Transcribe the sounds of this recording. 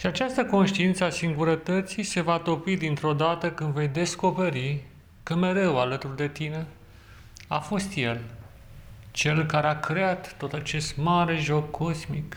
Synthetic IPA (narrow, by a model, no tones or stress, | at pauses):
ʃiat͡ʃast̪əko̞nʃt̪iint̪səasiŋɡuɾət̪ət̪sijse̞vat̪o̞pid̪int̪ɾo̞d̪at̪əkɨnd̪ve̞jd̪e̞sko̞pe̞ɾi | kəme̞ɾe̞walət̪urd̪e̞t̪ine̞ | afo̞st̪je̞l | t͡ʃe̞lkaɾeakɾe̞at̪ːo̞t̪at͡ʃe̞st̪maɾe̞ʒo̞kʰːo̞zmik